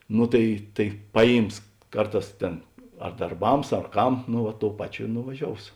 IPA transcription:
ˈnoː tɐɪ tɐɪ ˈpɑːˌjiːms ˈkɐrˌtɑːs ˈtʲeːn ɐr dɐrˈbɐms ɐr ˈkɐm nʊ ˈʋɐ ˈtoːʊ ˈpɑːˌt͡ʃʲoː ɪ nʊʋɐˈʒʲoːʊs

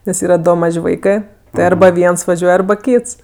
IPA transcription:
nʲɛs ˈiːrɐ ˈdoː ˈmɐʃʲ ˈʋɐɪkɜ tʲɪ ˈɐrbɐ ˈʋʲiɛns ʋɐˈʒʲuɔj ˈɐrbɐ ˈkʲiːts

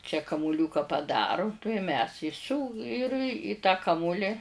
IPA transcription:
t͡ʃʲɛ kɐmʊˈlʲuːkɐ pɐˈdɑːrʊ tuɔj mʲɛs ɪ sʲuː ɪr ɪ tɑː ˈkɑːmʊlʲɪ

